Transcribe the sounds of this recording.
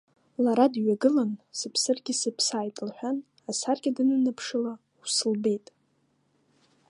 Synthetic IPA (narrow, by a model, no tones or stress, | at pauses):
laɾadɥaɡɨlansɨpʰsɨrɡʲisɨpʰsaːjtʼlħʷᶣan | asarɡʲadɨnɨnɨpʰʂɨla | wusɨlbejtʼ